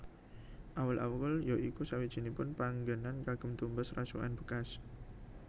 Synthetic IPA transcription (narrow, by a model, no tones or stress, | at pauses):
ʔawəlʔa̰wwəljoikusawid̥ʒ̥i̤nipʊnpaŋɡanankaɡ̥ə̤mt̪umbəsrasṵʔa̰nb̥ə̤kas